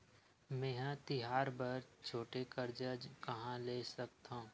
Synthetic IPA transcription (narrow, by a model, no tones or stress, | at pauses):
mɛ̃ːɦãt̪ɪɦaːɾbɐɾt͡ʃʰoːʈekɐɾd͡ʒəd͡ʒkɐɦãleːsɐk̚t̪ã